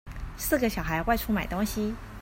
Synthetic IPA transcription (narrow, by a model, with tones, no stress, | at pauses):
sɹ̩˥˩ɡə˩ɕjɑ˨˩ʊxa˧˥ɪwa˥˧ɪʈ͡ʂʰu˥ma˨˩ɪt̪ʊ˥ŋɕi˧